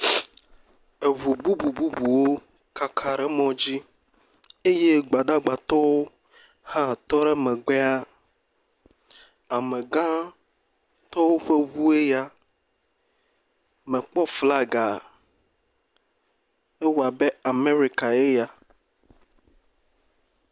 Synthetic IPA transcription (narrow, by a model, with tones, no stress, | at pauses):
e˨βu˨bu˦bu˨bu˦bu˨wo˦ | ka˦kʰa˨ɾɛ˦mɔ̃˦d͡ʑi˦ | e˦je˦ɡ͡ba˨ɖa˦ɡ͡ba˨t̪ɔ˦wo˦ | hã˦t̪ɔ˦ɾɛ˦mɛ̃˨ɡ͡bɛ˦a˦ | a˨mɛ̃˨ɡã˦ | t̪ɔ˦wo˦ɸe˦βu˦e˦ja˦ | mɛ̃˨k͡pɔ˦fla˦ɡa˨ | e˦wo˨a˨be˦a˨me˦ɾi˨ka˨e˦ja˨